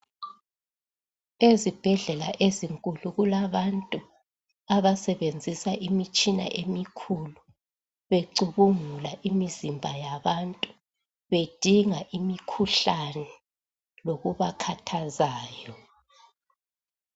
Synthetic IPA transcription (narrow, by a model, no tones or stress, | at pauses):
ezib̥ʱɛɮɛlaʔeziŋkʼuluɣulaβantʼu | aβasɛβend͡zʱisaʔimit͡ʃʼina̰ʔemikʰulu | βeǀuβuŋulaʔimizimbʱajaβantʼu | βed̥ʱiŋaʔimikʰuɬanɛ | loɣuβakʰatʰazaːjɔ